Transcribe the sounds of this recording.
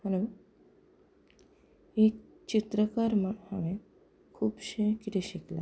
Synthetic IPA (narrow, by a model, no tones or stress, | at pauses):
həlo | ek̚ | t͡ɕit̪ɾəkaɾməhaʋẽ | kʰuːbɕekit̪ʰeɕikla̰